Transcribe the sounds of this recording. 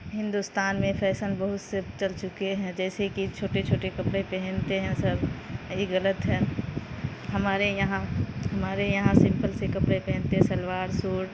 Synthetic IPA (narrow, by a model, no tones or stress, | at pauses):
ɦɪ̃nd̪ust̪aːnmẽpʰɛːsənbəɦʊt̪set͡ʃɐlt͡ʃʊkeɦɛ̃d͡ʒɛːsekit͡ʃʰoːʈet͡ʃʰoːʈekɐpɽepɛɦɛnt̪eɦɛ̃sɐɾjiɣɐlət̪ɦɛ̃ː | ɦɐmaːɾejɐɦãhɐmaːɾejɐɦãsɪ̃mpəlsekɐpɽepɛɦɛ̃nt̪eɦɛ̃sɐlwaːɾsuːɽ